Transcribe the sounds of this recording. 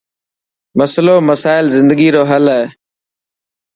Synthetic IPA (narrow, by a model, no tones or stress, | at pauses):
məsloːməsaːɪlzɪ̃nd̪əɡiːɾoːɦəleː